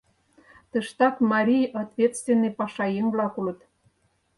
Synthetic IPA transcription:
t̪əʃt̪ɑkmɑɾʲijɑt̪vʲet̪st̪vʲenːəjpɑʃɑjəŋvlɑkulə̆t̪

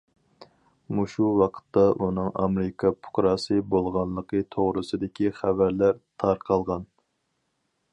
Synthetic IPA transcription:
muʃuwɑqʰə̥t̪ːɑʔunɨŋʔɑ̰mɾɪkʰɑpʰʊ̥qɾɑːsɨbolˠʁɑnlˠəqʰət̪ʰoʁɾɨsɨd̪ɪkʲiχævæɾlæɾt̪ʰɑɾqʰɑlˠʁɑn

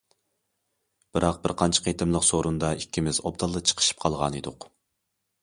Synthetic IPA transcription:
b̥ɪɾʔɑq̚bɪɾqʰɑnt͡ʃʰɑ̥qʰet̪ɪmlˠəqsoɾund̪ɑikʲʰːimɪzo̰b̚d̪ɑlˠːət͡ʃʰə̥qʰə̥ʃi̥p̚qʰɑlˠʁɑ̰ned̪ʊq

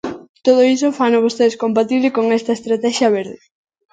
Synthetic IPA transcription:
t̪oð̞oisofanoβost̪eðeskompat̪iβlɪkoŋɛst̪ɐest̪ɾat̪ɛʃjɐβ̞eɾðe

